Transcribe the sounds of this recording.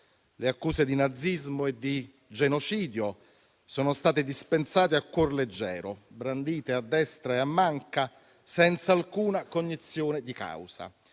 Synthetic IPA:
leakːuːsed̪inad̪zːizmoed̪i | d͡ʒenot͡ʃiːd̪jo | soːnost̪aːt̪ɪd̪ispensaːt̪eakːworled͡ʒːɛ̰ːɾobɾand̪iːt̪ead̪ːɛst̪ɾaeamːaŋka | sɛnt̪saːlkuːnakoɲːit̪sːjoːned̪ika̰wsa̰

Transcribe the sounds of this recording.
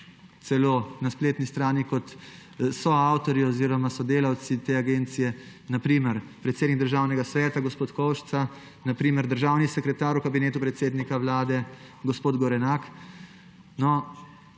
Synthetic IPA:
t̪sɛloːnaspleːt̪nist̪ɾaːnikɔt̪ | sɔawt̪ɔɾiɔziːɾɔmasɔd̪eːlawt̪sit̪eːaɡeːnt̪sijɛ | napɾiːməɾpɾɛt̪sed̪nikɡd̪əɾʒaːwnɛɡasʋɛːt̪aɡɔspoːt̪kɔwʃsa | napɾiːməɾd̪əɾʒaːwnisɛkɾɛt̪aːɾwkabineːt̪upɾɛt̪seːd̪nikawlaːd̪ɛ | ɡɔspoːd̪ɡɔɾɛnak | nɔ

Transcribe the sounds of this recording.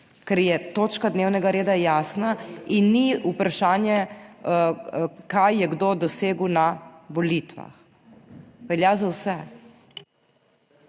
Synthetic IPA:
kɛɾjɛt̪oːt͡ʃkad̪neːwnɛɡaɾeːd̪ajaːsnainːiupɾaʃaːnjɛ | kajjɛɡd̪od̪ɔseːɡwnaʋɔlit̪ʋa̰x | ʋɛljaːzawsɛ

